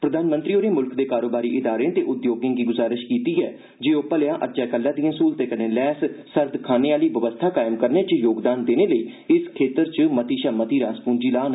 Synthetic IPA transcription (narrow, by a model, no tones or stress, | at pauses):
pɾəd̪ʱaːnmənt̪ɾiːoːɾeːmʊlkd̪eːkaːɾoːbaːɾiːʔɪd̪aːɾẽːt̪eːʔʊd̪joːɡãːɡiːɡʊzaːɾɪʃkiːt̪iːɛː | d͡ʒeːoːpəljãːʔəd͡ʒaːkəlːãːd̪iãːsuːlt̪eːkənẽːlɛːssəɾd̪kʰaːneːaːliːʋəʋəst̪ʰaːkaːɪmkəɾneːt͡ʃjoːɡd̪aːnd̪eːneːləiːɪskʰeːt̪əɾt͡ʃəmət̪iːʃaːmət̪iːɾaːspũːnd͡ʒiːlaːn